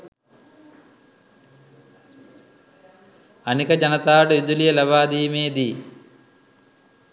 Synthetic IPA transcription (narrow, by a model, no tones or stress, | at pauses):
ɐnikɐd͡ʒɐnɐt̪aːɖɨid̪ulijɐlɐbaːd̪iːmeːd̪i